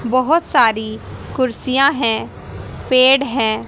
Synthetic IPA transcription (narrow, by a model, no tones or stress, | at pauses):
bəɦʊt̪saːɾikʊɾsijãɦɛ̃ː | peːɽɦɛ̃ː